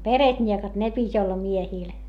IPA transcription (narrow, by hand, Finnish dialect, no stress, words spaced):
peretnʲiekɑt ne pitʲ olːɑ miehiˑl